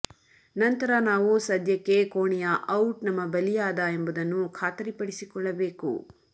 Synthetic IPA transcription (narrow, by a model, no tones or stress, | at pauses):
nɐnt̪ɐɾɐnaːʋusɐd̪ʱjɐkːe̞koːɳijɐʔɐwʈnɐmːɐbɐlijaːd̪ɐe̞mbud̪ɐnːukʰaːt̪ɐɾipɐɽisikɔɭːɐbeːkṵ